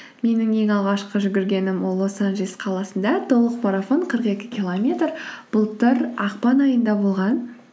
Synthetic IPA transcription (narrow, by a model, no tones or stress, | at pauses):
me̞nɪŋe̞ŋɑlˠʁɑʃqəʒʏɡʲɪɾɡʲe̞nɪmwolˠwo̞sɑnʒesqʰɑlˠɑsənd̪ɑt̪ʰolˠəq̚maɾafo̞ɴqʰəɾəqe̞kʲɪ̥kʲilˠomʲe̞t̪rb̥ʊlˠt̪əɾɑqpɑnɑjənd̪ɑbo̞lˠʁɑn